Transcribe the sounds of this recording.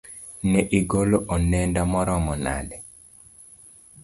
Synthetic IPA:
nɛʔiɡoloʔɔnɛndamɔɾɔmɔna̰dɛ

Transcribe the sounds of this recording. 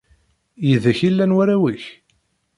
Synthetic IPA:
jəðæçilːænwæɾæwiç

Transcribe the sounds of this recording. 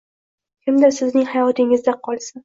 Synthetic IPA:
kʲʰɪmd̪asɪznɪŋhajɒt̪ʰɪŋɪzd̪aqʰɒlˠsa

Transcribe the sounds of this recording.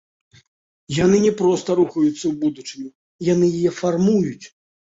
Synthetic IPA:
janɨnʲɛpɾɔst̪ɐɾuxɐjut̪sːɐwbud̪ut͡ʂɨnʲi | janɨjijɛfarmujut͡sʲ

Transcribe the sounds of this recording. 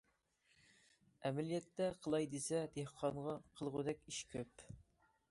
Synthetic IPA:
ɛmɛlijɛt̪ːɛqʰəlˠɑjd̪esɛd̪ehqʰɑŋʁɑqʰəlˠʁʊd̪ɛkʲiʃkʲʰøp

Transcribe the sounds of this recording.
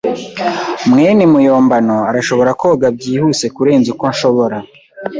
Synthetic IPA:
mŋeːnemujoːmbano̞aɾaʃo̞βo̞ɾakoɡab̚ɟiːhuːse̞kuɾe̞ːnzikonʃo̞βoɾa

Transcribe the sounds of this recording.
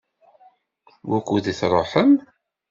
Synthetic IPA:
wækʷːuðiθɾˤoħəm

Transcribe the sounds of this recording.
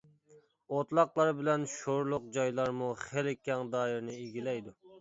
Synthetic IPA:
ot̪lˠɑqlˠɑɾbɪlɛnʃoɾlˠʊq̚d͡ʒɑjlˠɑɾmuχelɪkʲʰːɛŋd̪ɑːiɾnɪiɡʲilɛjd̪u

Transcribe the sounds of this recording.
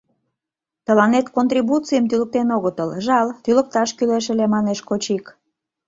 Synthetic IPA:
t̪əlɑnet̪kont̪ribut͡sijəmt̪ylək̚t̪enoɣət̪əlʒɑlt̪ylək̚t̪ɑʃkyleʃ̬ə̆lemɑneʃkot͡ɕik

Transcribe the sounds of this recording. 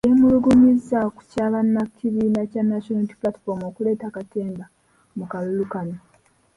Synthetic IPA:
jemuluɡumizaku̥caːβanːaciβiːnacanːaʃonaiti̥pulati̥fo̞ɾmo̞kule̞ːtakate̞ːnda | mukalulukali

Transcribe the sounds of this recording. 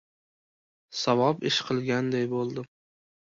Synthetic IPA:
savɒpɪʃqʰɨlˠɡʲand̪ajbolˠd̪ɪ

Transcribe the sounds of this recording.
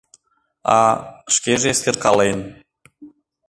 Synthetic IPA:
ɑ̰ʃkʲeʒeeskʲerkɑlˠejn

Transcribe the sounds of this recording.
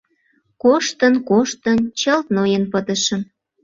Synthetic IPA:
koʃt̪ənkoʃt̪ənt͡ɕəlt̪̚nojənpət̪ə̆ʃə̆m

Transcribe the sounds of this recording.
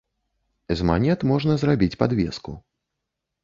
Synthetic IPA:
ɛzma̰nʲɛt̪mɔʐnɐzrabʲit͡sʲpad̪vʲɛ̰skṵ

